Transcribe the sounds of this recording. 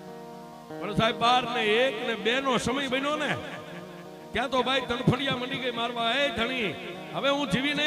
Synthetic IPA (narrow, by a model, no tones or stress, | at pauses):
pəɳsaiɓaɾneekneɓenosəməjbənone | t̪jãt̪obʱaid̪ʱəɳpʰəɳijaməniɡəimaɾʋãed̪ʱəɽ̃ĩ | ɦəʋeɦũd͡ʒiʋinə